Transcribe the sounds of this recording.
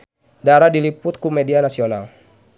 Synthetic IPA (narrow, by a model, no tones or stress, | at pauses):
daɾadilipʊt̪̚kumɛdianasiona̰l